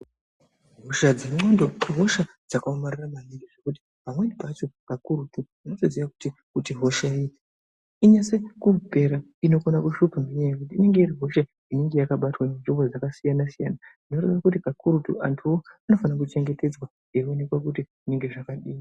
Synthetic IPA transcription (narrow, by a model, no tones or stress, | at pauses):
ɦoʃad͡zeŋ͡ǁo̞ndo̞ɦo̞ʃa | d͡zakaomariramamiɾiʐe̞kuti̥ | pamwenipat͡ʃokakuɾutu | inosoziʋaku̥tikutiɦo̞ʃai | iɲase̞kupe̞ɾa | ino̞konakuʃupameɲajekut̬iːne̞ŋɡe̞iɾiɦo̞ʃa | ineŋɡe̞jakaɓatwanenʐimbo̞d͡zakasijanasijananinoretrakutikakuɾutṵʔantʰuwoano̞fanak̬ut͡ʃe̞ŋɡe̞te̞d͡zwa | ione̞kwak̬utiʐineŋɡe̞ʐakaɗiːi